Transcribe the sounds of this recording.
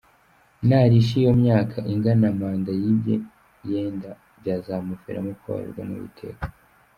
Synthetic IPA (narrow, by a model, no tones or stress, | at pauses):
naɾiʃ̬ijo̞mɲaːkʰaʔiŋɡanamaːndajibjḛ | jeːnda | bɟaːzamufḛɾa̰muka̰a̰ɾṵɾɡwa̰nṵβḭtʰe̞̰kḁ